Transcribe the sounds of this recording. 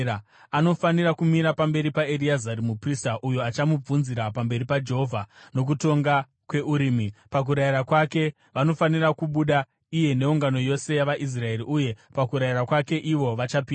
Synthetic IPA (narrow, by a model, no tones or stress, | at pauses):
ano̞fanirakumiɾapambe̞ɾipaeɾiazaɾimupristaʔujoat͡ʃamub͡vunziɾapambe̞ɾipad͡ʒe̞ɦovʱano̞k̬uto̞ŋɡa | kwe̞uɾiːmipak̬uɾaiɾakwake̞ | ʋano̞fanirakuɓuɗa | ije̞ne̞uŋɡano̞jo̞se̞jaʋaʔis̬rae̞ɾiʔuje̞pakuɾaiɾakwake̞ʔiʋo̞ʋat͡ʃapiː